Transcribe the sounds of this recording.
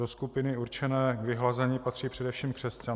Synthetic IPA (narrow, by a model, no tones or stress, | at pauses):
oskupɪnɪuɾt͡ʃɛnɛːɡvɪɦlazɛɲiːpat̪r̝̥iːpr̝̥ɛdɛfʃiːmkr̥ɛsca